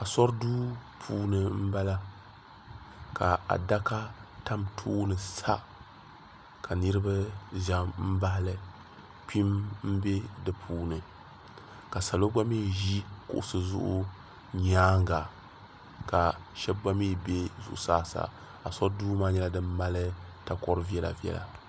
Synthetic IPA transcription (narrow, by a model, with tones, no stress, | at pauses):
a˨sɔ˦ɾduː˦pʰuː˦nɨ˨m̩˦ba˦la˦ | ka˨a̰˨da˦ka˦ta˦mtʰuː˦nɨ˨sa˦ | kʰa˨nɨ˦ɾɨ˦ba˦ʒa˨˦mm̩˦ba˦hlɨ˨ | pi˦mm̩˦be˦dɨ˨pʰuː˨nɨ˨ | ka˨sa˨lo˦ɡ͡ba˦miː˦˨ʒi˦kʊ̰˦ʔʊ˦sɨ˨zʊ̰˦ʔʊ˦ | ɲaː˦ŋɡa˨ | ka˨ʃɛ˦bɡ͡ba˦miː˦˨be˦zʊ̰˨ʔʊ̰˨saː˦sa̰˨ | a˨sɔ˦duː˦maː˦ɲɛ˦la˦dɨ˦mːa˦lɨ˦ta˨kɔ˦ɾɨ˦vi˦ɛ˦la̰˨vi˨˦ɛ̰˦la̰˨